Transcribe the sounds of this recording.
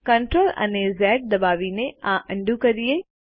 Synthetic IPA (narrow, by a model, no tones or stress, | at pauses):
kəɳʈɾoːlɐ̰neːzɛːʈ̚d̪ɐbaːʋineãːʔə̃ɳɖukɐɾieː